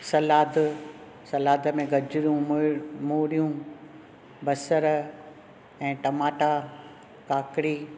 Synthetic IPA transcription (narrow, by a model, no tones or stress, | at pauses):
sɐlaːd̪ | sɐlaːd̪ə̆mẽɡʱɐd͡ʑɪɾjũmoːɽijũ | bɐsəɾ | ɛ̃ːʈɐmaːʈa | kaːkɪɾiː